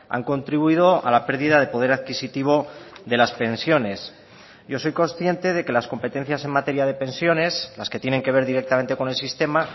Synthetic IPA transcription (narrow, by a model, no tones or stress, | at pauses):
a̰ŋko̞nt̪ɾiβuiðo̞ʔa̰lape̞ɾðiðaðe̞po̞ð̞e̞ɾaðkisit̪iβ̞o̞ðe̞laspe̞nsjo̞ne̞s | ɟ͡ʝo̞so̞jko̞nsθje̞nt̪e̞ðe̞ke̞lasko̞mpe̞t̪e̞n̟θjase̞ŋmat̪e̞ɾjaðe̞pe̞nsjo̞ne̞slaske̞t̪je̞ne̞ŋke̞β̞e̞ɾðiɾe̞k̚t̪amẽ̞nt̪eko̞ne̞lsist̪e̞ma